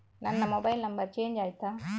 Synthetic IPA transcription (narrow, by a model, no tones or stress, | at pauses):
nanːamobajlambat͡ʃeɲd͡ʒajt̪a